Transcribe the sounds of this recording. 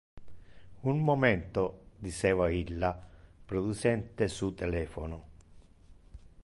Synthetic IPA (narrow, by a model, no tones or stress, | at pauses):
unmomɛnt̪od̪it͡ʃɛːvailːapɾod̪ut͡ʃɛnt̪esut̪ɛlɛːfono